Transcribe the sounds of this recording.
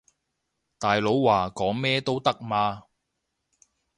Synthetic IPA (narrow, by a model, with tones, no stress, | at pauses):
t̪aː˨jlo˨˥wwaː˨˩kɔː˨˥ŋmɛː˥t̪o˥wt̪ɐ˥k̚maː˧